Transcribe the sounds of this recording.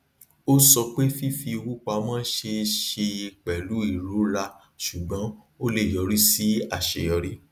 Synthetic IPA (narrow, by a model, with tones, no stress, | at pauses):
o˦sɔ˧k͡pe˦fi˦fi˧wu˦k͡pa˧˦mãː˦ʃe˧ʃe˧i˧k͡pɛ˨lu˨˦i˦˨ɾo˨˦ɾa˧ | ʃu˨ɡ͡bã˨˦ | o˦le˦˨jɔ˨˦ɾi˦si˦a˦˨ʃe˧jɔ˧ɾe˧